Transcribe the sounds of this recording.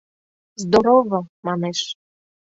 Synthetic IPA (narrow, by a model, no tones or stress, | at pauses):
zd̪oɾovəmɑneʃ